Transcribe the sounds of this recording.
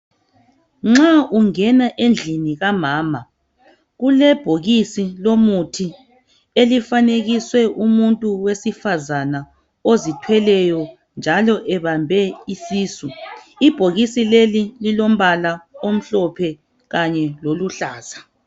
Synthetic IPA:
ŋ͡ǁaʔuŋɛnaʔend͡ɮʱiniɣamaːma | ɣulɛb̥ʱoɣisilomutʰi | elifaneɣiswɛʔumuntʼuwesifazana | ozitʰwɛlɛjɔ | nd͡ʒʱalɔʔɛβambʱɛisiːsuib̥ʱoɣisilelililom̩βalaom̩ɬɔpʰɛ | ɣaɲɛloluɬaːz̥a

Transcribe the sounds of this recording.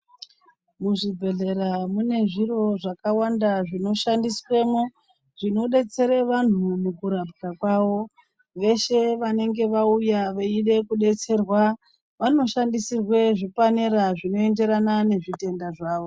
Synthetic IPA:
muʐibʱe̞ɮe̞ɾamune̞ʐiro̞ʐakawandaʐino̞ʃandiswe̞mo | ʐino̞ɗe̞t͡se̞ɾeʋan̤umukuɾapkakwaʋo̞ | ʋe̞ʃe̞ʋane̞ŋɡe̞ʋaujaʋeiɗe̞kuɗe̞t͡se̞rwa | ʋano̞ʃandisirwe̞ʐipaneɾaʐino̞e̞nde̞ɾanane̞ʐite̞ndaʐaːʋo̞

